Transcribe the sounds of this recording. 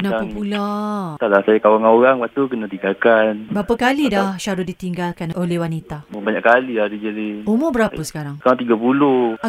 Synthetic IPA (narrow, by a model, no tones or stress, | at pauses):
nãpəpulat̪alasajakawaŋoɣaŋbat̪ukənat̪iŋɡalkanbəɾapəkalidahʃaɾʊdit̪iŋɡalkanolehwanit̪aməbaɲaʔkaliadid͡ʒadiumobəɾapəsə̥kaɾaŋkaat̪iɡapuloa